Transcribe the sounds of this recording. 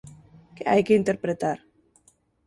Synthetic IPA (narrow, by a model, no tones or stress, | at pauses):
keajkeint̪eɾpɾet̪aɾ